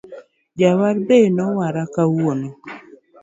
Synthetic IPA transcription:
d͡ʒawaɾbenɔwaɾakawono

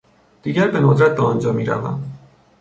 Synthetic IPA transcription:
d̪̥iːɟæɾbenod̪ɾæt̪̚d̪ɒːnd͡ʒɒːmiːɾæ̰væ̰m

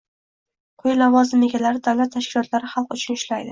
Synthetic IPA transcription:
qʰʊjalavɒzɪmeɡʲalaɾɪd̪awlat̪ʰːaʃkʲɪlɒt̪laɾɪχɑlˠqʊt͡ʃʰʊnʊʃlajd̪ɪ

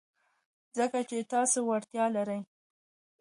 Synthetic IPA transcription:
zəkat͡ʃet̪ɑsowaɾt̪jɑlaɾəj

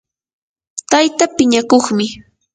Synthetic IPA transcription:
t̪ajt̪apɪɲakoχmɪ

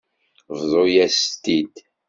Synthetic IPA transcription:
vðˤojæst̪id̪

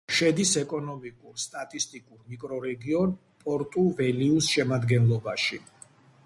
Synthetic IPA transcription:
ʃɛd̪isɛkʼɔnɔmikʼuɾst̪ʼat̪ʼist̪ʼikʼuɾmikʼɾɔɾɛɡiɔn | pʼɔɾt̪ʼuvɛliusʃɛmad̪ɡɛnlˠɔbaʃi

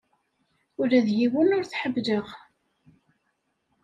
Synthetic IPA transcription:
ʊɾæðjiwənʊɾθħəbːðəʁ

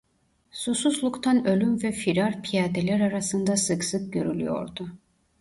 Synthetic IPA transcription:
sususlˠukt̪ʰanø̞lʲymvɛfiɾaɾpʰijaːd̪elʲæɾaɾasɯnd̪asɯksɯk̚ɟø̞ɾylʲyjo̞̰ɾd̪u

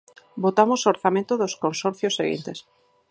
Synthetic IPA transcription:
bot̪amosoɾθamẽnt̪ʊðoskonsɔɾθjosːeɣḭnt̪es

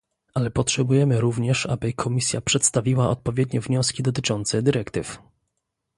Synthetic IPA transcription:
alɛpɔtʂɛbujɛmɘɾuvɲɛʂa̰bɘkʰɔmʲisʲjapʂɛt̪st̪avʲiwaʔɔt̪̚pɔvʲjɛd̪ɲɛvɲɔskʲid̪ɔt̪ɘt͡ʂɔnt̪sɛd̪ɘɾɛkt̪ɘf

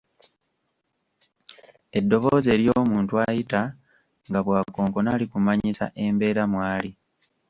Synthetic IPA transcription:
e̞dːo̞βoːze̞ːljo̞ːmuːntuajita | ŋɡaβwaːko̞ːŋko̞naːlikumaɲisa̰ʔe̞mbe̞ːɾamwaːli

